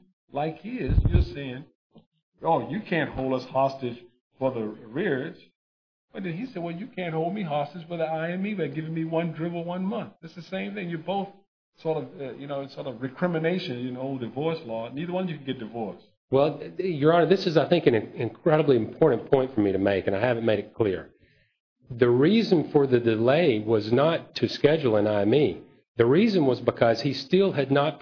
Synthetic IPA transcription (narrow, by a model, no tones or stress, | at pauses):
laɪkhizjə˞seɪɪ̃ŋ | oʊjɨkʰæ̃nt̚hoʊlˠdʌshɑstɨdʒ̥ | fə˞ðəɹɪɹd͡ʒ̥ | ʌ̃nɨ̃isɛd̚wɛlˠjɨkʰæ̃nt̚hoʊl̚ˠmiɦɑstɨd͡ʒwəðiaɪɨ̃mibɨt̚ɡɪvɪ̃ŋmiwʌ̃ndɹɪvl̩ˠwʌ̃nmʌ̃nθðætsðɨsẽɪ̃mθɪ̃ŋjə˞boʊθ | sɔɹɾʌvʌjɨnoʊɨ̃sɔɹɾʌvɹɨkʰɹ̥ɪ̃mɨneɪʃɨ̃nɨ̃noʊlˠdɨvɔɹslɔniðə˞wʌ̃nzjɨkʰn̩ɡɛt̚d̥ɨvɔɹs | wɛlˠjə˞ɑ̃nðɪsɨzaɪθɪ̃ŋkɨ̃nɨ̃ɨ̃nkʰɹ̥ɛɾəbliɨ̃mpʰɔɹʔn̩pʰɔ̃ɪ̃ntfə˞miɾɨmeɪkɨ̃ñaɪhævɨ̃nmeɪɾɨt̚kʰl̥ɪɹ | ðɨɹizɨ̃nfə˞ðɨdɨleɪwʌznətʰɨskɛd͡ʒl̩ˠə̃naɪɨ̃mi | ðɨɹizɨ̃nwʌzbɨkʰʌz̥istɪlˠɨdⁿnət̚